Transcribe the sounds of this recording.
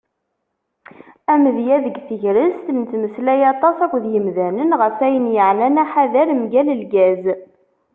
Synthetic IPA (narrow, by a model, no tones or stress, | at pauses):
æməðjæðəɡθəʝɾəst̪nθməslæjɑt̪ˤɑsækʷðjəmðænənʁəfæjənjəʕlænæħaðæɾmɡæləlɡæz